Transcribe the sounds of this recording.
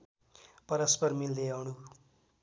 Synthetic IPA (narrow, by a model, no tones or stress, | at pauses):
pʌɾʌspʌɾmild̪eawnu